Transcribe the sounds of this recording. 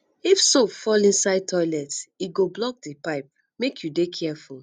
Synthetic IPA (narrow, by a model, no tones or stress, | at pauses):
ifsopfɔlĩnsaɪd̚tʰɔɪlɛtiɡoblɔk̚dipaɪp̚ | mekjudekʰɛful